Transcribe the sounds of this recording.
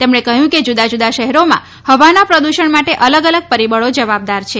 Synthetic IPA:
t̪emɳekəɦjũked͡ʒud̪ad͡ʒud̪aʃɛɦɛɾomã̰ | həʋanapɾəd̪uʃəɳmaʈeʔələɡələɡ̚pəɾibəɭod͡ʒəʋab̚d̪aɾt͡ʃʰe

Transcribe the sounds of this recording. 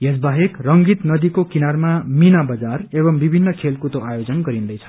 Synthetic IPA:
jesbaɦekrʌŋɡit̪nʌd̪ikokinarmaminabʌd͡zarebʌmbibʱinːʌkʰelkut̪oajod͡zʌnɡʌɾind̪ʌjt͡sʰʌ̥

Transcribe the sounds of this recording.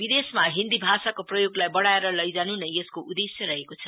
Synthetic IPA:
bid̪esmaɦind̪ibʱasakoprʌjoɡlajbʌɽaeɾʌlʌjd͡zanunʌjeskoʔud̪esjʌɾʌɦekot͡sʰʌ

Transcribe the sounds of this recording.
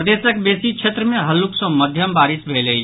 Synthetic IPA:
d̪eːsəkbeːsikʃʰet̪ɾəmẽɦɐlːuksɔ̃mɐd̪ʱjəmbaːɾɪsbʱeːlei

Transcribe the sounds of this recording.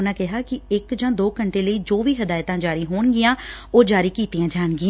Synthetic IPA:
ʊnãːkɪɦaːkɪɪkd͡ʒãːd̪oːkəɳʈeːləiːd͡ʒoːʋiːɦəd̪aːjt̪ãːd͡ʒaːɾiːɦoːɳɡɪjãːoːd͡ʒaːɾiːkiːt̪ijãːd͡ʒaːnɡɪã

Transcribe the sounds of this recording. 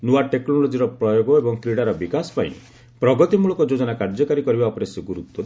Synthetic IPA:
nuaʈeknɔlɔd͡ʒiɾɔpɾɔjoɡɔebɔŋt̪ʰɾiɽaɾɔbikasɔ̥paḭ̃ | pɾɔɡɔt̪imuɭɔkɔd͡ʒod͡ʒɔnakaɾd͡ʒɔkaɾikɔɾibaɔpɔɾesɔɡuɾut̪ːɔ

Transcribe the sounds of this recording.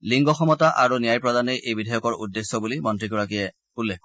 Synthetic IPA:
liŋɡɔxɔmɔtaʔaɹunijajpɹɔdanejʔejbidʱajɔkɔɹudːesːɔbulimɔntɹikɔɹakijɛ | ulːek

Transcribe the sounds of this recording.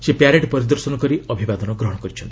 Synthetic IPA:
sepjaɾeʈpɔɾid̪ɔɾsɔnɔkɔɾiɔbʱibad̪ɔnɔɡɾɔɦɔɽ̃ɔkɔɾit͡ʃʰɔnt̪ii̥

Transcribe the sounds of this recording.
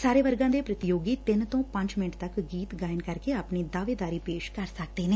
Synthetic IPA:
saːɾeːʋəɾɡãːd̪eːpɾət̪ɪjoːɡiːt̪ɪnt̪õːpə̃ɲd͡ʒmɪnəʈt̪əkɡiːt̪ɡaːjənkəɾkeapniːd̪aːʋeːd̪aːɾiːpeːʃkəɾsək̚d̪eːneː

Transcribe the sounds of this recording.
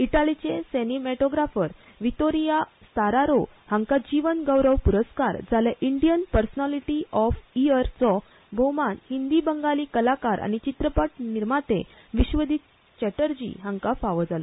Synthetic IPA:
iʈalit͡ɕesenimɛʈoɡɾafəɾ | ʋit̪oɾijast̪aɾaɾohãŋkad͡ʑiʋənɡəwɾəʋpuɾəskaɾd͡zaljaʔiɳɖijənpəɾsnaliʈiʔɔfiəɾt͡sɔ | bʱəwmanhind̪ibəŋɡaliːkəlakaɾʔa̰nit͡ɕit̪ɾəpaʈ̚niɾmat̪e | ʋiɕʋəd̪ʱit̪ | t͡ɕɛʈəɾd͡ʑḭɦãŋkafaʋəd͡zalɔ̰

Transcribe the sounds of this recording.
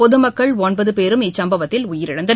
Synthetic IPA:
pɔðɯmɐkːɐɭɔnbɐðɯpeːɾɯmɪsɐmbɐʋɐt̪ːɪlʊjɪɾɪɽɐnd̪ɐ

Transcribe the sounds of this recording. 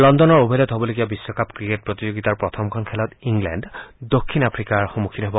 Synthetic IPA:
lɔndɔnɔɹobʱilɔt̪ɦobɔloɡiabisːɔkʰapkɹiket̚pɹot̪izoɡit̪aɹpɹɔt̪ʰɔmkʰɔnkʰɛlɔt̪iŋɡlɛ̰nɖdokʰːinapʰɹikaɹxomukʰinɔɦɔbɔ

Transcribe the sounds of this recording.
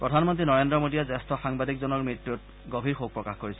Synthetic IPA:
pɹɔdʱanmɔntɹinɔɹendɹɔmodijazɛstɔxaŋbadikzɔnɔɹmɹitjut̚ | ɡobʱiɹxok̚pɹɔkaxkoɹisɛ

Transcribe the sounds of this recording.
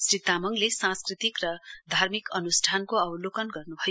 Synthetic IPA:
srit̪amʌŋlesãskrit̪ikrʌd̪ʱarmikʌnusʈʰankoʌwlokʌnɡʌrnubʱʌj

